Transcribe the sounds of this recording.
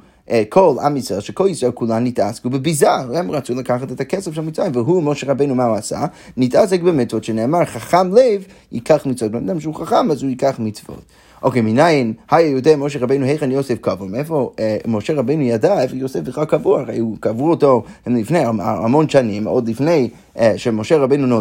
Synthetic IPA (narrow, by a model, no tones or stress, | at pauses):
ekʰola̰miselʃekʰolisolkulanːitaskubebizahɛmʁat͡sulakaχatet̪akɛsɛfʃelmitt͡ssvʁajimvəɦumoʃeʁabejnumahuasa̰ | nitʔas̬ek̚bemit͡svot̪ʃeneːmaʁχaχamlev | ḭkʰaχmitt͡svot̚benad̪amʃehuχaχamazuikaχmit͡svo̰t | ʔokejminajinhajajud̪emoʃ̬eʁabejnuhejχenjosefkavomefomoʃeʁabejnujadaefojosefbiχlalˠkavuaaʁejukavuoto̞hemlifnejaaa̰monʃanimod̪lifne̞j | ʃemoʃeʁabejnuno